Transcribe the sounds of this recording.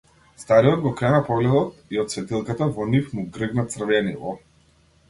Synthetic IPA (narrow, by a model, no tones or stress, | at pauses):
st̪aɾijɔd̪̚ɡɔkɾɛnapɔɡlɛd̪ɔt̪iɔt̪svɛt̪ilˠkat̪avɔnifmuɡɾəɡnat̪sr̩vɛnḭvɔ̰